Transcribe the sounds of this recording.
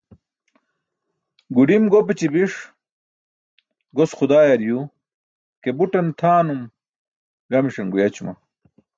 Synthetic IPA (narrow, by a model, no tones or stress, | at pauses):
ɡuɖimɡopɐt͡ɕibiʂ | ɡosxud̪aːjɐɾju | kebuʈɐnt̪ʰaːnum | ɡɐmiʂɐŋɡujɐt͡ɕumɐ̰